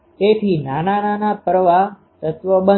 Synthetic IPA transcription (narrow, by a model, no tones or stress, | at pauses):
t̪et̪ʰinanananapəɾʋa | t̪ət̪ʋəbə